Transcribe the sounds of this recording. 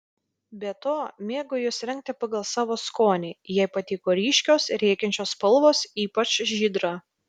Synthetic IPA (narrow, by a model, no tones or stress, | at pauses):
bʲɛt̪oːmʲeːɡʊjʊsɾʲɛŋʲk̚t̪ʲɛpɐɡɐlˠsɑːʋoːskoːnʲeːjɛɪpɐt̪ʲiːkoːɾʲiːʃʲkʲoːsɾʲɛɪkʲɛnʲt͡ʃʲoːspɐlˠʋoːsiːpɐt͡ʃʒʲiːd̪ɾɑː